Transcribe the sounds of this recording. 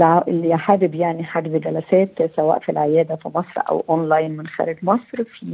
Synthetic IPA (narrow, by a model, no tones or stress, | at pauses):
lʔɪlːijħaːbɪbjaʕniħaɡbɡælæsæːt̪sæwæ̰ːʔfilʕɪjæːd̪æfimɑsˤɾˤʔæ̰wʔonlajnmɪnxæ̰ːɾɪɡmɑsˤɾfi